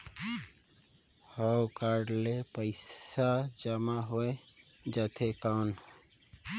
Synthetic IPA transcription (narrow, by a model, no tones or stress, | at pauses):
həwkaɖlepəɪsad͡ʒəmaɦoe | d͡ʒət̪ʰekan